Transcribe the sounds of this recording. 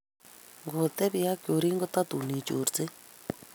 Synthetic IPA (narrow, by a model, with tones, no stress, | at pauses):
ŋɡʊː˨t̪ɛ˦pja˦kʲo˨ɾiː˦ŋɡə˦t̪a˦t̪u˨niː˨t͡ʃo̰ː˨rt͡se˦